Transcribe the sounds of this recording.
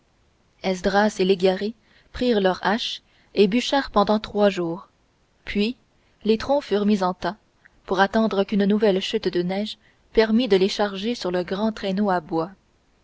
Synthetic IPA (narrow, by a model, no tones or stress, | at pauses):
ɛsd̪ʁaseleɡaʁe | pχiːʁlœʁaʃ | ebyʃɛʁpɑ̃d̪ɑ̃t̪χwaʒuːʁ | pʰɥi | let̪χɔ̃fyːʁmizɑ̃t̪a | puʁat̪ɑ̃d̪ʁəkʲynnuvɛlʃyt̪d̪ənɛːʒ | pɛʁmid̪əleʃaʁʒesyʁləɡʁɑ̃t̪χenoabwa